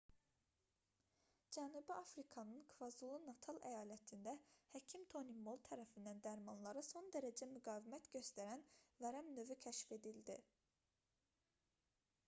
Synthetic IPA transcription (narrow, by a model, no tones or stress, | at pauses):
d͡ʒænubiɑfɾikʰɑnɯnkʰvɑzulˠunɑt̪ʰɑlˠʔæ̰jɑːlæt̪ʰind̪æhæcʰimt̪ʰo̞nimo̞lˠt̪ʰæɾæfind̪ænd̪æɾmɑnlˠɑɾɯso̞nd̪æɾæd͡ʒæmyɡɑːvimæt̪ɟø̞st̪æɾænvæɾæmnø̞vycʰæʃfe̞d̪ild̪i